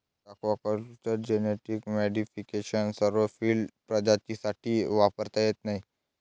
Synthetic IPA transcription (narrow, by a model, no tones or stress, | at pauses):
akʰʋakəɾt͡ɕəɾd͡ʑeneʈikmɛɖifikeɕənsəɾʋəfiːlɖpɾəd͡ʑat͡ɕisaʈʰiːʋapəɾt̪ajet̪naɦi